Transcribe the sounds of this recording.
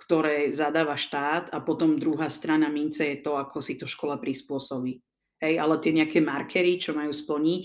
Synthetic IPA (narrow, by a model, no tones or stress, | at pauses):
kt̪ɔɾɛːzad̪aːʋaʃt̪aːd̪apɔt̪ɔmd̪ɾuɦaːst̪ɾanamint͡sɛjɛt̪ɔakʰɔsit̪ɔʃkɔlapɾispʊɔsɔbiː | ɦɛjalɛt̪ɪɛɲɛakɛmaɾkʰɛɾit͡ʃɔmajuːspl̩ɲic